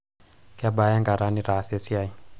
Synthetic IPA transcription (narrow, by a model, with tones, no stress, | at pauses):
ka˨ba˦ja˦ŋɡa˨ɾa˦niɾa˨sɛ˦si˦a˨j